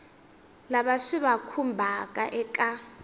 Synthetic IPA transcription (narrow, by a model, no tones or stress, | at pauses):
laβaʂiβakʰumbʱakʼaʔɛkʼa